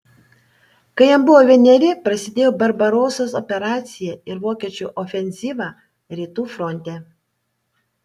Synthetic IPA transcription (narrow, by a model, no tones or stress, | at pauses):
kɐɪjɛmbʊʋoːʋʲɛnʲɛɾʲɪpɾɐsʲɪd̪ʲeːjoːbɐɾbɐɾoːsosɔpʲɛɾɑːt̪sʲɪjɛɪɾʋoːkʲiɛt͡ʃʲuˑʔɔfʲɛnʲzʲiːʋɑː | ɾʲiːt̪uːfɾɔnʲt̪ʲɛː